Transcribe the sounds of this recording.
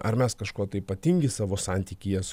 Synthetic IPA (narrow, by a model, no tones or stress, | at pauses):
ʔɐ̰ɾmʲɛskɐʃkoɔt̪ɐɪipɐt̪ʲiŋʲɡʲɪsɑːʋoːsɑnʲt̪ʲiːkʲɪjɛs